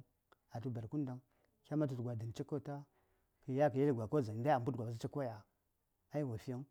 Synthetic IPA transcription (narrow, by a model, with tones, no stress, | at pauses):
a˨tu˦ba˨ɾku˦n˦da˨ŋ | kʲa˦ma˦t̬u˨tɡʷa˨də˨n˨t͡ʃi˦kːo˦˨ta˦ | kə˨ja˦kə˨ja˦li˦ɡʷa˨ko˦˨za˨˦da˦a˨mbu˦tɡʷa˨ba˨˦i˦t͡ʃi˦ko˦ja˨ | a˦i˦wa˨fi˦a˦ŋ